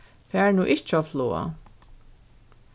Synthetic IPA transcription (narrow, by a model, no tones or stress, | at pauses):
fæːɹnuːʔɪht͡ʃːafloːa̰